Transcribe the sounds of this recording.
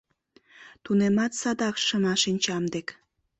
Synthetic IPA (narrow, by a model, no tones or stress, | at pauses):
t̪unemɑt̪sɑd̪ɑkʃəmɑʃinʲt͡ɕɑmd̪ek